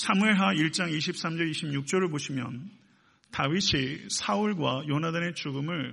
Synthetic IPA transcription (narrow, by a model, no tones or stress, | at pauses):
sʰamɯeɭɦaiɭt͡ɕ͈aŋiɕʰip̚s͈amd͡ʑʌɾiɕʰimɲuk̚t͡ɕ͈ʌɾɯɭboɕʰimjʌ̰n | tawiɕʰisʰauɭɡwajʌnadane̞t͡ɕuɡɯmɯɭ